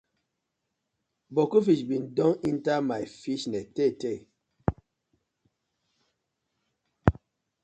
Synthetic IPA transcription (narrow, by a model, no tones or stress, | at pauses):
bɔkufiʃbindɔŋintamajfiʃnɛtete